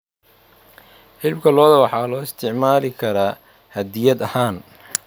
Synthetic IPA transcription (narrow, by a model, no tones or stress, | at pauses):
ħɪlb̚kʰɐlɔːðɐwɑħɑːlɔːɪst̪ʰɪʕmaːlɪkʰɐɾaː | hɐd̪ɪjɐd̪ɐhaːn